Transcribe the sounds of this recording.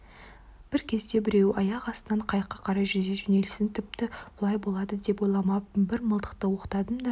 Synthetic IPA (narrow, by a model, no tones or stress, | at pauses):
b̥ɪɾkʲʰe̞zd̪e̞bɪɾe̞wɑjɑqɑst̪ənɑɴqʰɑjqːɑqʰɑɾɑjʒʏzd̪eʒʏne̞lɪsɪnt̪ʰɪp̚t̪ɪb̥ʊlˠɑjbo̞lˠɑd̪əd̪e̞pojlˠɑmɑpbɪɾməlˠd̪ə̥qt̪əwo̞qə̥t̪ɑd̪əmd̪ɑ